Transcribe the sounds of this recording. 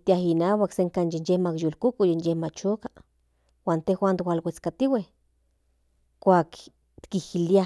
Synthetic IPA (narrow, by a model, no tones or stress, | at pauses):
t̪iaɦinaːwakseŋkaːnjenjehmakjolkukujenjehmat͡ʃoka | waːnt̪exwʷaːnt̪walwet͡skat̪iweh | kʷaːk | t̪kihilia